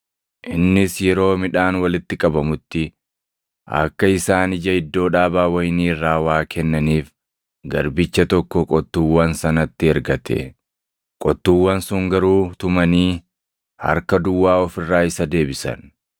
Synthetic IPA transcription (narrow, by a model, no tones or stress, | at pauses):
ʔɪnːɪsjɛɾo̞ːmɪᶑaːnwɐlɪt̪ːɪkʼɐbɐmʊt̪ːɪ | ʔɐ̰kːɐɪsaːnɪd͡ʒɐɪd̪ːo̞ːᶑaːbaːwɐjniːrːaːwaːkʰɛnːɐniːf | ɡɐɾbɪt͡ʃːɐt̪ɔkːɔkʼɔt̪ːuːwːɐnsɐnɐt̪ːɪɛɾɡɐt̪ʰɛ̰ | kʼɔt̪ːuwːɐnsʊŋɡɐɾuːt̪ʊmɐniː | hɐ̰ɾkɐd̪ʊwːaːɔfɪrːaːɪsɐd̪e̞ːbɪsɐ̰n